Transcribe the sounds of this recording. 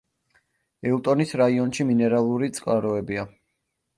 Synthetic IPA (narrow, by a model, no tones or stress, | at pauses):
ɛlˠt̪ʼɔnisɾaiɔnʃiminɛɾalˠuɾit̪sʼkʼaɾɔɛbia